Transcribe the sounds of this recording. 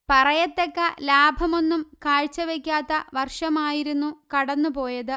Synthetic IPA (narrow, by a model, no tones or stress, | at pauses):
pɐrɐjɐt̪ːekːɐlaːbʱɐmo̞nːumkaːɻt͡ɕːɐʋekʲːaːt̪ːɐʋɐrʂɐmaːjiɾunːukɐɽɐnːupo̞ːjɐðɨ